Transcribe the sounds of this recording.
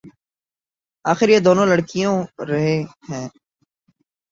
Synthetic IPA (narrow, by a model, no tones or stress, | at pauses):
aːxɪɾjeːd̪oːnõːləɽkijõːɾɐɦẽɦɛ̃ː